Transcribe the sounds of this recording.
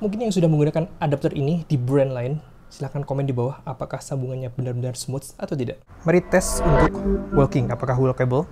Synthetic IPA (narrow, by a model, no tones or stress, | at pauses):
muŋk̬ɪnjaŋsudahməŋɡunakanadap̚t̪ərinidibɾɛndlaɪn | silahkankomɛndibawahapakahsambuŋanɲabənarbənarsmɔt̪sat̪awt̪idaʔ | məɾit̪ɛsunt̪ʊkwəlkɪŋapakaɦulakɛbəl